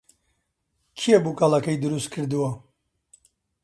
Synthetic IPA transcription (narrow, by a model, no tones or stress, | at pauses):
kʰijɛbuːkalakɐjd̪ɨɾust̪̚kʰɨɾd̪uwɐ